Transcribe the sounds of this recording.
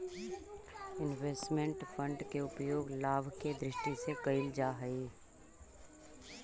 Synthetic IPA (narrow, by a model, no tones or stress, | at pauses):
ɪnʋeːsʈmẽɳʈfə̃ɳɖkeʊpjoːɡlaːbʱked̪ɾɪʃʈisekɐɪld͡ʒaːɦɐi